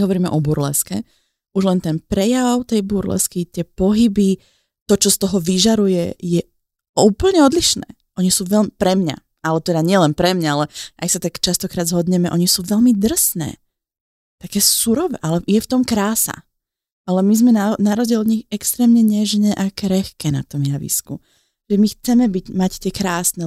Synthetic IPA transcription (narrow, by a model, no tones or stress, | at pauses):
ɦɔʋɔɾiːmɛʔɔbuɾlɛ̰skɛ̰ | uʒlɛnt̪ɛnpɾɛjaʊt̪ɛjbuɾlɛ̰skit̪ɪɛpɔɦibi | t̪ɔt͡ʃɔst̪ɔɦɔʋiʒaɾujɛjɛ | uːpl̩ɲɛɔd̪liʃnɛ̰ː | ʔɔɲisuːʋɛlmpɾɛmɲa̰ | alɛt̪ɛd̪aɲɪɛlɛnpɾɛmɲaalɛʔajsat̪akt͡ʃast̪ɔkɾaːd̪zɦɔd̪ɲɛmɛʔɔɲisuːʋɛʎmid̪r̩snɛ̰ː | t̪akɛːsuɾɔʋɛ̰ʔalɛjɛft̪ɔmkɾaːsa̰ | alɛmizmɛnanaɾɔzdɪɛlɲixɛkst̪ɾɛːmɲɛɲɛʒɲɛːʔakɾɛxkɛːna̰t̪ɔmjaʋḭskṵ | ʒ̥ɛmixt͡sɛmɛbiɟmact̪ɪɛkɾaːsnɛ